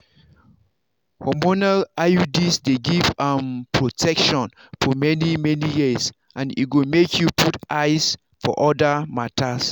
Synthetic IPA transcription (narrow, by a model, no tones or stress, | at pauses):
hɔmonalaudisdeɡivãmpʰɹotʰɛkʃɔ̃n | fɔmɛnimɛnijis | ʔãnḭt̚ɡomekʰjupʰutʔaɪs | fɔ̰ʔɔdamatʰas